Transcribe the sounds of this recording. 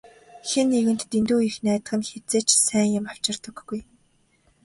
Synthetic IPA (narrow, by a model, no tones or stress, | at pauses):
xenːeɣɘ̆n̥t̪ːint̪uːixnæːt̪ɢə̆nxet͡seːt͡ɕsæːŋjʊ̆maft͡ɕɪ̆rt̪ə̆ɡːuj